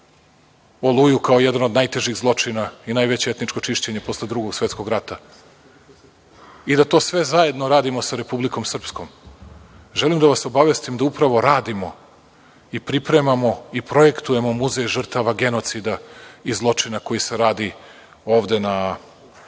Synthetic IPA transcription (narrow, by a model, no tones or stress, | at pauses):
olˠujukaojed̪anod̪najt̪e̞ʒiɣzlˠo̞t͡ʂinainajʋe̞t͡ɕeet̪nit͡ʂko̞t͡ʂiʃt͡ɕe̞ɲepo̞sled̪ɾuɡo̞ɡsʋet̪sko̞ɡɾat̪a | id̪at̪o̞ːsʋe̞zaje̞d̪no̞ɾaːd̪imosaɾe̞publiko̞msr̩psko̞m | ʒelimd̪aʋaso̞baʋe̞st̪imd̪aupɾaʋo̞ɾaːd̪imo̞ | ipɾipɾe̞mamo̞ipɾo̞je̞kt̪uje̞mo̞muzejʒr̩t̪aʋaɡe̞no̞t̪sid̪aizlˠo̞t͡ʂinako̞jiseɾaːd̪i | o̞ːʋd̪e̞na